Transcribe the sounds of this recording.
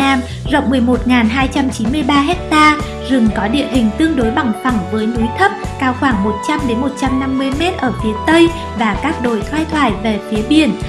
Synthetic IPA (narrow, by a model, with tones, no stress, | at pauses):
naː˧m | zə̰˧˨wŋ͡mmɨ˨˩əjmo˨˩t̚ŋaː˨˩nɦaː˧jt͡ɕa˧mt͡ɕi˨˦nmɨ˧əjɓaː˧ɦɛ˦˥k̚t̪aː˧ | zɨ˨˩mkɔ˨˦ɗḭ˧˨əɗï˨˩ŋ̟t̪ɨ˧əŋɗo˨˦jɓa˨˩ŋfa˧˩ŋ͡mvəː˨˦jnu˨˦jt̪ʰə˦˥p̚kaː˧wxwaː˧˩ŋmo˨˩t̚t͡ɕa˧mɗe˨˦nmo˨˩t̚t͡ɕa˧mna˧mːɨ˧əjmɛ˦˥t̚ʔəː˧˩fi˨˦ət̪ə˧j | vaː˨˩kaː˦˥k̚ɗo˨˩jt̪ʰwaː˧jt̪ʰwaː˧˩jve˨˩fi˨˦əɓi˧˩ən